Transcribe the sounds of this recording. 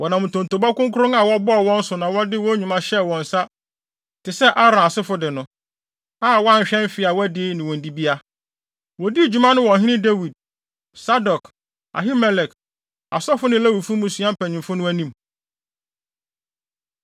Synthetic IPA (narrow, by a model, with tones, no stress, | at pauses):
wɔ˨nã˨mʊ̃˨tʰõ˨n˨tʰo˨bɔ˦kʊ̃˦ŋkʰʊ˦ɾʊ̃˦ŋa˨wɔ˦bɔ˦˨wɔ̃˦n̩˦sʊ˨nã˨wɔ˦dɪ˦wɔ˦ɲᶣũ˨mã˦ɕɛ˦wɔ̃˨n̩˨sa˦ | tʰɪ˨sɛ˦ʔa˦ɾã˨a˨sɪ˦fʊ˦dɪ˨nʊ̃˨ | aː˦˨wɔ˦a˦ɲ˨ɕᶣɛ̃˦m˦fɪ˨a˨wɔ˦dɪ˦nɪ̃˨wɔ̃˨n̩˨di˦bi˦a˦ | wɔ˨di˦˨d͡ʑᶣu˦mã˦nʊ̃˦wɔ̃˨ɦɪ̃˦nɪ̃˦de˦wi˨d̚ | sa˦dɔ˨k | a̰˨ɦi˦mɛ˨lɛ˨k | a˨sɔ˦fʊ˦nɪ̃˦læ˦wi˨fũ˦mʊ̃˨su˨˦ã˦m̩˦pʰæ˨ɲɪ̃˨mfʊ˦nʊ̃˦æ˦nĩ˦˨m